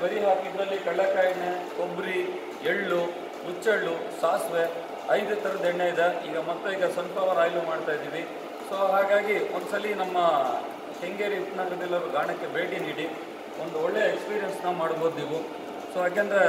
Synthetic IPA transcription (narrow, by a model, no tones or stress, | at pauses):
bɐɾiɦaːkid̪ɾɐlːikɐɭːɐkaːjɐnekobɾi | eɭːu | ɾut͡ʃːeɭːu | saːsʋe | ɐjd̪ut̪ʰɐɾɐd̪ɛɳːejid̪eiːɡɐmɐt̪ːuiːɡɐsɐmpɐʋɐɾaːjlumaːɽt̪aːjd̪iːʋi | soːɦaːɡaːɡiond̪sɐlːinɐmːɐ | heŋɡeːɾiit̪nɐɡɐɾɐd̪ɛlːɐɾuɡaːɳɐkːe̞be̞ːʈiniːɽi | ond̪uɔɭːejɐekspiːɾijensnaːʋumaːɽboːd̪iːʋu | soːɐkend̪ɐɾe